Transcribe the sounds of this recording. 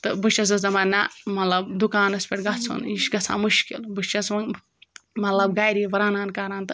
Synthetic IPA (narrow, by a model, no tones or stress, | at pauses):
t̪ɨbɨʃt͡ʃɐs̬ɐsɐmɐɾʲnamɐt̪lɐbd̪ukaːnɐspʲeʈɡɐt͡sʰṵniʃɡɐsʰa̰ːmuʃkḭlbɨʃt͡ʃɐsʋɐŋ | mɐt̪lɐbɡaːjɾiʋɐɾaːnaːnkaːɾaːnt̪ɨ